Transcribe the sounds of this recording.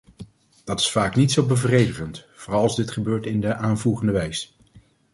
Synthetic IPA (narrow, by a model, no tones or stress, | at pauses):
d̥ɑtɪ̥sfaːknitsowbəvrejdəχəntfoːrɑlˠɑlzdɪtχəbøːɹtɪndəʔaːnvuːχəndəʋɛjs